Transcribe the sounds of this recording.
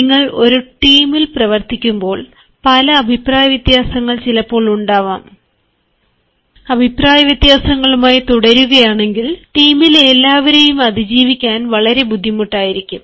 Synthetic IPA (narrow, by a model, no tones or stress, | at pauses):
niŋːɐɭo̞ɾuʈiːmilprɐʋɐrt̪ikʲːumbo̞ːɭ | pɐlɐːbʱipraːjɐʋjit̪jaːsɐŋːɐɭt͡ɕilɐpːo̞ːɭuɳɖaːʋa̰ːm | ɐbʱipraːjɐʋjɐt̪jaːsɐŋːɐɭumaːjit̪uɽɐɾuɣɐjaːɳe̞ŋɡilʈiːmilelːaːʋɐɾejumɐd̪id͡ʑiːʋikʲːaːnʋɐɭɐɾe̞bud̪ʱːimuʈːaːjiɾikʲːum